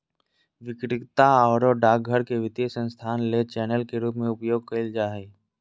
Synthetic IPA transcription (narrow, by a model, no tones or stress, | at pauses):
ʋɪkɾɪkt̪aɔːɾɔːɖaːk̚ɡʱəɾkeʋɪt̪jəsə̃nst̪ʰaːnlet͡ʃɛːnəlkeɾuːpmẽʊpjoːɡ̚kəɪld͡ʒaːɦɛ